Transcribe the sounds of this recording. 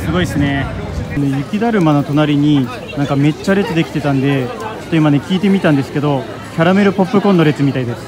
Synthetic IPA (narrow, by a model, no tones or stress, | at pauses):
sɨɡo̞isɨne̞ne̞jɯ̟kʲid̪aɾɯ̟mano̞t̪o̞naɾʲiɲ̟i | nãŋkame̞t͡ɕːaɾe̞t͡sɨd̪e̞kʲi̥t̪e̞t̪ãnd̪e̞t͡ɕo̥t̪ːoimane̞kʲiːt̪e̞mʲit̪ãnd̪e̞sɨ̥ke̞d̪o̞ | kʲaɾame̞ɾɯ̟po̞pːɯ̟kõ̞nːoɾe̞t͡sɨmʲit̪aid̪e̞sɨ̥